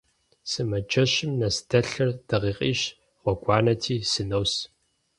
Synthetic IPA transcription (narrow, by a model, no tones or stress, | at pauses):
sɨmɐt͡ʃʰɐɕɪmnɐsdʰɐɬɐrd̥ɐʁiːqʼḭːɕ | ʁʷɔɡʷʼɑːnɐtʰiːsɨnɐws